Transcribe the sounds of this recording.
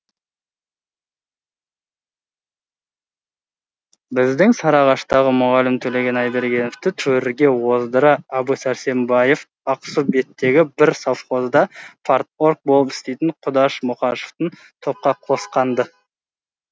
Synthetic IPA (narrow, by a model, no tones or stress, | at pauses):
bɪzd̪ɪŋsɑɾɑʁɑʃt̪ɑʁəmʊʁɑlɪmt̪ʰɵle̞ɡʲe̞nɑjd̪eɾɡʲe̞noft̪ɪt̪ʰɵɾɪɡʲe̞wo̞zd̪əɾəɑbusæɾse̞mbɑje̞f | ɑqsube̞t̪ːe̞ɡʲɪbɪɾsafχo̞zd̪ɑfʰaɾt̪o̞ɾk̚bolˠəpɪ̥st̪e̞jt̪ɪɴqʰʊd̪ɑʃmʊqɑʃo̥ft̪ən | t̪ʰo̞p̚qɑqʰo̞sqɑnd̪ə